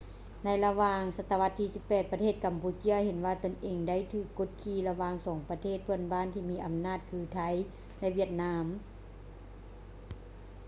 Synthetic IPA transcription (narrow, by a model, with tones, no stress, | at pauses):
na˧jla˧waː˧ŋsa˧t̪ːa˧ʋa˧˥t̪ʰːiː˧si˧˦pːɛː˨˩t̪̚pa˧t̪ʰeː˥˩t̪̚ka˨˦mpuː˧t͡ɕi˧˥ɐhe˨˦nʋaː˧t̪o˧˨nʔeː˨˩ŋda˥˨jt̪ʰɯː˧˩kːo˧˥t̪̚kʰiː˧˩la˧waː˧ŋsɔː˩˦ŋpa˧t̪ʰeː˥˩t̪̚pʰɯ˧˥˩ənbaː˧˥˨nt̪ʰiː˧miː˧˥ʔa˧mnaː˥˩t̪̚kʰɯː˧t̪ʰa˧˥j | lɛ˧ʔwʋi˧˥˩ət̪̚naː˧˥m